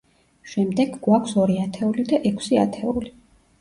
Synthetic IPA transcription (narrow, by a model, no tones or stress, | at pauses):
ʃɛmd̪ɛɡɡwakʷʰsɔɾiat̪ʰɛulid̪aʔɛkʰsia̰t̪ʰɛuli